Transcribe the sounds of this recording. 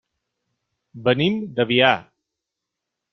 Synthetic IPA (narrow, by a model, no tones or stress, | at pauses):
bənimd̪əβia